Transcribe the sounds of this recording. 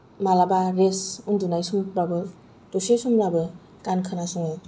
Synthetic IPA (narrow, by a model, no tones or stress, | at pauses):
malabaɾesundunajsumɾabɯ | dosesumɾabɯ | kankʰɯnasuŋɯ